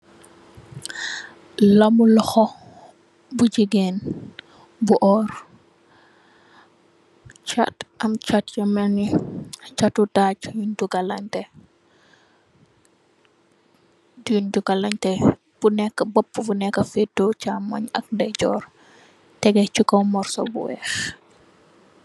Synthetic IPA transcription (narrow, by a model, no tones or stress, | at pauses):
lɐmulɔxɔ | bud͡ʒiɡɛn | buʔɔːr | t͡ʃatʔɐmt͡ʃatjɐmɛnit͡ʃatudaɟjunduɡalaɲtɛ | duunduɡalaɲtɛ | b̥unɛkːəbɔpːubunɛkːəfɛdɔt͡ʃamɐɲɐ̰k̚ndɛɟɔ̰ːr | tɛɡɛt͡ʃukɔwmɔrsɔ̰bṵwɛ̰x